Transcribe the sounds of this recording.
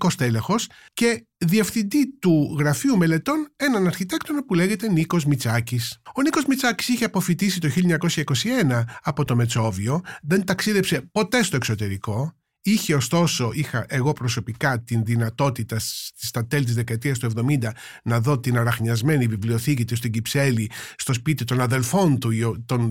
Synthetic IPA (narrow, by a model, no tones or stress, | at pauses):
ko̞st̪elexo̞s | ce̞ | ðie̞fθind̪it̪uɣɾɐfiumele̞t̪o̞ne̞nɐnɐɾçit̪e̞kt̪o̞nopule̞ʝe̞t̪e̞niko̞zmit͡sɐcisoniko̞zmit͡sɐci̥siçeɐpo̞fit̪isit̪o̞çiloɲɐko̞sçɐiko̞sie̞nɐːpo̞t̪o̞me̞t͡so̞vio̞ðe̞nt̪ɐksiðe̞pse̞po̞t̪e̞st̪o̞ekso̞t̪e̞ɾiko̞ | içe̞o̞st̪o̞so̞ixɐʔe̞ɣo̞pɾo̞so̞pikɐt̪inðinɐt̪o̞t̪it̪ɐst̪ist̪ɐt̪e̞lit̪izðe̞kɐet̪iɐst̪ue̞vðo̞mind̪ɐ | nɐðo̞t̪inɐɾɐxɲɐzme̞nivivlio̞θicit̪ist̪oɟipse̞list̪o̞spit̪it̪o̞nɐðe̞lfo̞nt̪uiot̪on